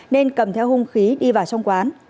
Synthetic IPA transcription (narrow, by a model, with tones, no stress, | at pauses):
ne˧nkə˨˩mt̪ʰɛ˧whʊ˧ŋ͡mxi˨˦ɗi˧vaː˨˩wsɔ˧wŋ͡mkwaː˨˦n